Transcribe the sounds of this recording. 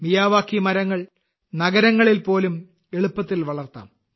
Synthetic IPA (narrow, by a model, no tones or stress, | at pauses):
mijaːʋaːkːimɐɾɐŋːɐɭ | nɐɡɐɾɐŋːɐɭilpo̞ːlum | e̞ɭupːɐt̪ːilʋɐɭɐrt̪ːa̰ːm